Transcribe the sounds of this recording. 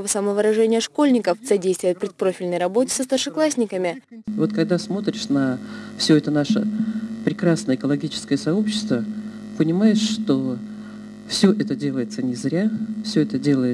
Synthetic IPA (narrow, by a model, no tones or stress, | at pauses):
vəsɐməvəɾɐʐɛnʲɪjəʂko̞lʲnʲɪkəfsɐdʲejst̪vʊjət̪̚pɾʲɪt̪̚pɾo̞fʲɪlʲnəjɾɐbo̞tʲɪ̥səst̪ərʂɨklˠasʲnʲɪkəmʲɪvo̞t̪kɐɡd̪asmo̞t̪ɾʲɪʂnɐfsʲɵɛt̪ənaʂə̰pɾʲɪkɾasnəjəɪkəlˠɐɡʲit͡ɕɪ̥skəjəsɐo̞pɕːɪ̥st̪və | pənʲɪmajɪʂʂt̪o | fsʲɵʔɛt̪ədʲe̞lˠəjɪt̪sənʲɪzɾʲafsʲɵɛt̪ədʲe̞lˠəjɪ